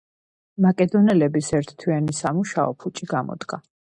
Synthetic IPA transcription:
makʼɛd̪ɔnɛlɛbisɛɾt̪ʰt̪ʰwianisamuʃaɔ̰pʰut͡ʃʼiɡamɔ̰d̪ɡa

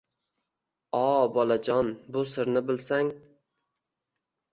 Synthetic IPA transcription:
ɒbɒlad͡ʒɒnbʊsɪɾnɪbɪlsaŋ

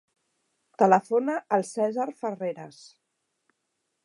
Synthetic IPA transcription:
t̪ələfonəʔːlˠsɛzaɾfəreɾəs

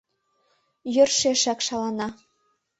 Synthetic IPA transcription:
jø̆rʃeʃækʃɑlɑnɑ

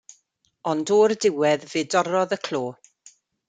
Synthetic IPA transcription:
ɔndoːrdɪwɛðveːdɔɾɔðəkʰl̥oː

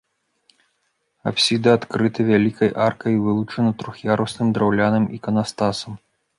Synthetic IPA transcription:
a̰psʲid̪ɨat̪kɾɨt̪ɨvʲalʲikɐjʔarkɐjvɨlˠut͡ʂɐnɐt̪ɾuxjaɾʔusnɨmd̪ɾawlʲanɐmikɐnast̪asɐm

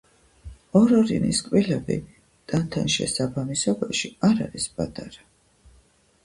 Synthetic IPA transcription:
ɔɾɔɾiniskʼwilɛbḭ | t̪ʼant̪ʰanʃɛ̰sabamisɔbaʃiaɾa̰ɾisbʼat̪ʼaɾa

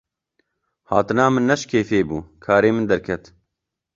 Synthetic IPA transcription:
haːt̪ɨnɑːmɨnːɛʃkʰeːfeːbuːkʰaːɾeːmɨnd̪ɐɾkʰɛt̪

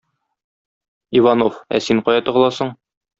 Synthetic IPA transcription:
ivanofæ̰siɴqɒjɑt̪ɤ̆ʁlˠɑsɤɴ

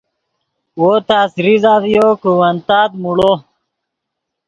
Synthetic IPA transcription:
woːt̪aːsɾizaːðjokuwɐnt̪aːd̪muɽo

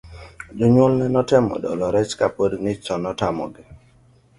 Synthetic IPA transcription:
d͡ʒʊɲwɔlnɛnɔtɛmɔ̰dɔ̰lɔɾɛt͡ʃkapodnɪt͡ʃɔnɔtamɔ̰ɡɪ

